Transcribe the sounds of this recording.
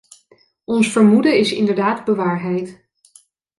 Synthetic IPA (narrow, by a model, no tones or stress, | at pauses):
ɔnsfəɹmudəɪsɪ̰ndəɹdaːdbəʋaːɹɦɛjt